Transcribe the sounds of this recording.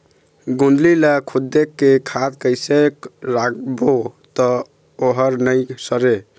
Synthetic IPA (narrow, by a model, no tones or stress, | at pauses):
ɡund̪lilakʰud̪ːekːekʰad̪kəjsekɾakbot̪ɔ | oɦəɾnəjsəɾe